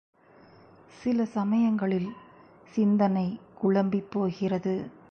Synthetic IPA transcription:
sɪlɐsɐmɐjɐŋɡɐɭɪl | sɪnd̪ɐnɐɪkʊɭɐmbɪpːoːɣɪrɐðɯ

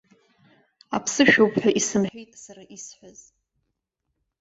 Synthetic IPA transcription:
apʰsɨʃᶣowpʰħᶣaʔisɨmħʷᶣejtʼsaɾaʔisħʷaz̥

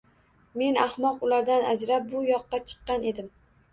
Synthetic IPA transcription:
me̞nahmɒqʊlaɾd̪anad͡ʒɾap̚bʊjɒqːɑt͡ʃʰɨ̥qːɑne̞d̪ɪm

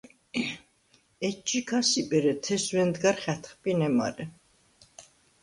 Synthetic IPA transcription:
ɛt͡ʃːikʰasipʼɛɾɛt̪ʰɛswɛnd̪ɡaɾχɛt̪ʰχpʼinɛma̰ɾɛ

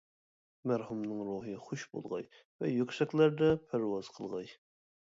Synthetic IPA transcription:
mæɾhumnɨŋɾuɦɨχuʃbo̰lˠʁɑ̰j | vɛjøkʲsɛkʲlæɾd̪ɛpʰæɾwɑz̥qʰəlˠʁɑj

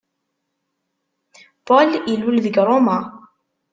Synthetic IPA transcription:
poləlwəlðəɡɾˤoma

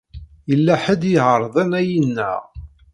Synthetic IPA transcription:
jəlːæħəd̪jəʕəɾˤðˤænæjinːæ̰ʁ

